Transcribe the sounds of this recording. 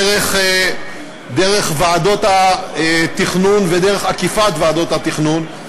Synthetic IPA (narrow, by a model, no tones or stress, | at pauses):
ʁeχ | d̪eʁeχvaːdo̞taet̪iχnunvedeʁeχakifat̪vaːdo̞t̪hat̪iχnun